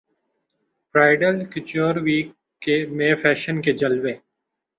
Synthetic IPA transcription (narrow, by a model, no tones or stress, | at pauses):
pɾaːɪɖəlkɪt͡ʃoːɾʋiːkː | emẽfɛːʃənked͡ʒɐlʋeː